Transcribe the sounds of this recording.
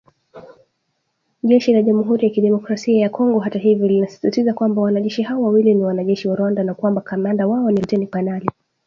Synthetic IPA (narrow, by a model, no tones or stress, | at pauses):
ʄɛʃilaʄamuɦuɾijakiɗɛmɔkɾasiajakɔŋɡɔɦataɦivjɔlinasi̥sitizakwambawanaʄɛʃiɦaɔwawiliniwanaʄɛʃiwaɾwandanakwambakamandawaɔnimtɛnifanali